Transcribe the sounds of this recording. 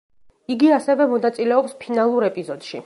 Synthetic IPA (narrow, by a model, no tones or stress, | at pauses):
iɡiasɛvɛmɔnat̪sʼilɛɔpspʰinalˠuɾɛpʼizɔd̪̥ʃḭ